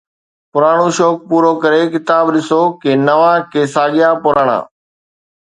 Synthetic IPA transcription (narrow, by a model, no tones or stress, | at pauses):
pʊɾaːɽ̃oːʃɔːk̚puːɾoːkəɾekɪt̪aːbɗɪsoːkenɐʋãːkeːsaːɠɪjaːpʊɾaːɽ̃ã̰ː